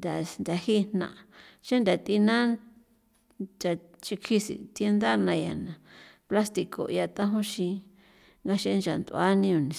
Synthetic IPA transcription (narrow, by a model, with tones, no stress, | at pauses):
nd̪a˨nd̪ʲa˨hi˦˧n̥nã̰˨ʔa˨˧ʃa˦nd̪a˨t̪i˧nã˦ | t͡ʃa˨t͡ʃi˧kʰi˧sḭ˨t̪e˧nd̪a˦˧nã˧ja̰˨nã˨ | pla˦st̪i˧ko̰˨ḭ˧a˧t̪ã˦ɦõ˦ʃĩ˧ | ŋɡa˧ʃe˧˦˧nt͡ʃa˨nd̪u˧a˦nĩ˧o˨nĩ˨